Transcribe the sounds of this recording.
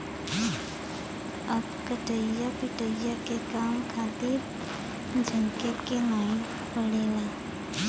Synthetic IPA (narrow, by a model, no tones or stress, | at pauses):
əbkəʈəjapɪʈəjakekaːmkʰaːt̪ɪɾ | d͡ʒʱəŋkekenaːɪn | pəɽeːlaː